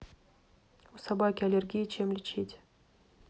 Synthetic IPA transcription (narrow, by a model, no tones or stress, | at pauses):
usɐbakʲɪɐlʲerɡʲijt͡ɕemlʲɪt͡ɕetʲ